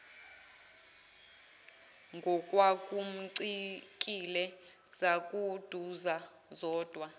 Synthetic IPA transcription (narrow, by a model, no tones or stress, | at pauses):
ŋɡʱɔkʼwakʼum̩ǀikʼilɛz̥akʼud̥ʱuza | zɔːd̥ʱwa